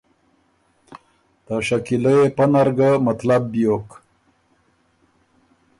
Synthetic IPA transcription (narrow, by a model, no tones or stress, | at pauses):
d̪̥əʃakiləjepənaɾɡamat̪lab̚ːjok